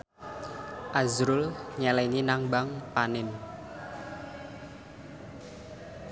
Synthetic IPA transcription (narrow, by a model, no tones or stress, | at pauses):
ʔazɾʊlɲɛlɛninaŋbaŋpanɪn